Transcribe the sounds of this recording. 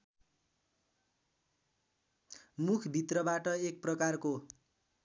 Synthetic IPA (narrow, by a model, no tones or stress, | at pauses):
mukʰbʱit̪rʌbaʈʌek̚prʌkarko